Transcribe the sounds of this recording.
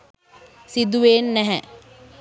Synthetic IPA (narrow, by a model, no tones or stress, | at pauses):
sid̪uʋeːnːɛɦɛ